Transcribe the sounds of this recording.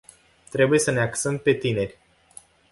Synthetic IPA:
t̪ɾe̞buje̞səne̞aksəmpe̞t̪ine̞rʲ

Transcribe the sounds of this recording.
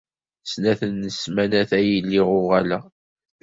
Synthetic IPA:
snæθənːəsmænæθæjilːiʁʊʁælæ

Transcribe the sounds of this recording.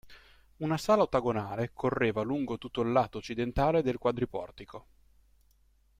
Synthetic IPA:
unasaːlaot̪ːaɡonaːlekʰorːeːvaluŋɡot̪ut̪ːoilːaːt̪oːt͡ʃːid̪ent̪aːled̪elkwad̪ɾipɔ̰rt̪ikʰo

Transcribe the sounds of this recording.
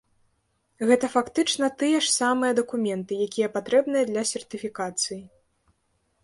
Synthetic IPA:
ɣɛt̪ɐfakt̪ɨt͡ʂnɐt̪ɨjɛʂsamɨjɛd̪ɐkumʲɛnt̪ɨjakʲijɐpat̪ɾɛbnɨjɐd̪lʲɐsʲɛrt̪ɨfʲikat̪sɨji

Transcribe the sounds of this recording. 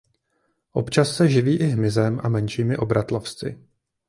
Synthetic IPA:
ʔo̞pt͡ʃasːɛʒɪviːʔɪɦmɪzɛmʔa̰mɛnʃiːmɪʔo̞bɾat̪lofst͡sɪ̰

